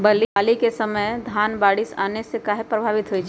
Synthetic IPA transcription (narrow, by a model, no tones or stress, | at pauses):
bɐliaːlikesɐməjd̪ʱaːnbaːɽisa̰ːnesekaːɦepɾəbʱaːʋɪt̪ɦoit͡ʃʰ